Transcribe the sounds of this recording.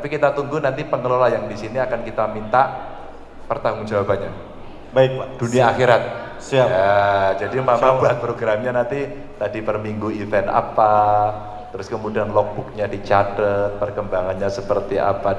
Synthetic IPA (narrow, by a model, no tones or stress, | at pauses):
t̪apikit̪at̪uŋɡunant̪ipəŋəlolajaŋdisiniakankit̪amint̪aʔ | pərt̪aŋʊŋd͡ʒawapanɲa | baɪk̚d̥uniaːxiɾat̪̚ | saad͡ʒadimamabuat̪̚pɾoɡɾamɲanant̪i | t̪adipərmiŋɡuifɛna̰pa | t̪əɾʊskəmudianlɔk̚b̥uk̚ɲadit͡ʃatət̪̚pərkəmbaŋanɲasəpərt̪iʔa̰pa